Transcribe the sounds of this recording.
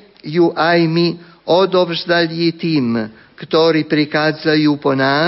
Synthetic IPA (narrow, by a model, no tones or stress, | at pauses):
juʔajmi | ɔd̪ɔvzd̪alit̪im | kət̪ɔɾipɾikazajupɔna